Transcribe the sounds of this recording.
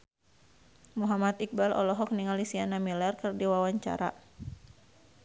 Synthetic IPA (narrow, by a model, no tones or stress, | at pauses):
muɦamat̪ik̚balɔ̰lɔɦɔk̚niŋalisianamilɛrkɨrdiwawaɲt͡ʃa̰ɾa̰